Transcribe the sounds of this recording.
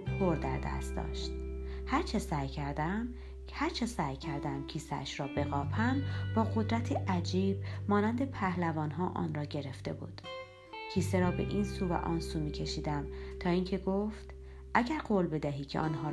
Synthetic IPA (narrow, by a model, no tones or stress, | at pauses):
pʰoɾd̪æ̰ɾd̪æ̰st̪̚d̪ɒ̰ːʃt̪̚hæɾt͡ʃʰesæːjcʰæɾd̪æm | hæɾt͡ʃʰesæːjcʰæɾd̪æmcʰiːseæ̰ʃɾɒːbe̞ɣɒːpʰæmbɒːɣo̞d̪ɾæt̪ʰiʔæd͡ʒiːbmɒːnænd̪e̞pʰæhlævɒːnɦɒːʔɒ̰ːnrɒːɟe̞ɾe̞ft̪e̞bṵːd̪̥ | cʰiːseɾɒːbe̞̰ʔiːnsuːvæ̰ʔɒːnsuːmiːcʰe̞ʃiːd̪æmt̪ʰɒːiːŋcʰe̞ɡoft̪ | ʔæɟæɾɢoːlbe̞d̪æɦiːcʰe̞̰ʔɒ̰ːnɦɒː